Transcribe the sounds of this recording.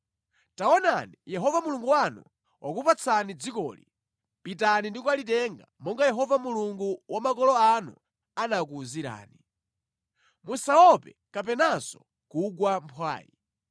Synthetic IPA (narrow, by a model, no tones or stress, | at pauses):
taɔnanijɛɦɔvamuluŋɡuwanu | wʔakupat͡sʰanid͡zikɔ̰ːli | pitanindikwalitɛŋɡamɔŋɡajɛɦɔvamuluŋɡuwʔamakɔlɔanṵ | anak̬uːziɾa̰ːni | musawɔpɛ | kapɛnasɔ̥ | kuɡwampʰwa̰ːji